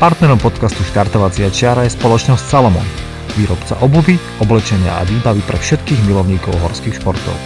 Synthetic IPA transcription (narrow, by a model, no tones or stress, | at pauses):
paɾt̪nɛɾɔmpɔt̪kast̪uʃt̪aɾt̪ɔʋat͡siat͡ʃɪaɾajɛspɔlɔt͡ʃnɔscsalɔmɔ̰n | ʋiːɾɔpt͡sa̰ʔɔbubi | ɔblɛt͡ʃɛɲɪa̰ʔa̰ʋiːbaʋipɾɛfʃɛt̪kiːɣmilɔʊɲiːkɔʊɦɔɾskiːxʃpɔɾt̪ɔ̰ʊ